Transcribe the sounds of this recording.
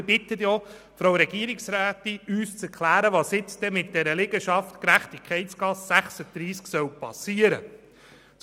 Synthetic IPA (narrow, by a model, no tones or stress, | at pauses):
bɪt̪ətjɔ | fɾowɾɛɡiəɾɪksɾæːtɪyːst͡sɛɾkʰlæːɾəʋɑsjɪt͡sd̥ɛmɪt̚d̥ɛɾəlɪɡəʃɑftkɾæχtikʰχɛɪtsɡ̥ɑsːæχsəd̪̥ɾiːsksœwpɑ̰siəɾə̰ | t͡s